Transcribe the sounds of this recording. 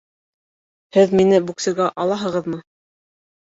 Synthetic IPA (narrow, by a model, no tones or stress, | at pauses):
hɘðminɘbuksɘ̆ɡæʔɑlˠɑɦɤ̆ʁɤðmɤ